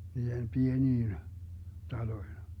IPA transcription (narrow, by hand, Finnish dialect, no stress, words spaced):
niːhem pieniːn tɑloin̞